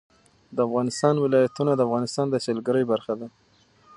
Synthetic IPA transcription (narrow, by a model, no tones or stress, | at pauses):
d̪əafɣɑnɪst̪ɑnwɪlɑjat̪unad̪əafɣɑnɪst̪ɑnd̪əselɡəɾəjbaɾxad̪a